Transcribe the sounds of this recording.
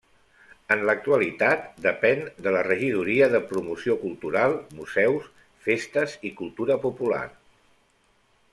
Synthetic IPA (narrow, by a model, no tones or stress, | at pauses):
ənlək̚t̪uəlit̪at̪d̪əpɛnd̪ələrəʒiðuɾiəðəpɾumusiokulˠt̪uɾalˠmuzɛws | fest̪əzikulˠt̪uɾəpupula̰r